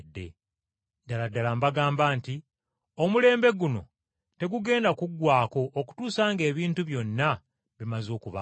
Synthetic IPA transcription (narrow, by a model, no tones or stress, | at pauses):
dːe̞̰ | daladalambaɡaːmbaːnti | o̞mule̞ːmbe̞ɡuno̞̰ | te̞ɡuɡe̞ːndakuɡwaːko̞ʔːku̥tuːsaːŋɡe̞ːβiːntuβjo̞nːa | βimazo̞ːkuβa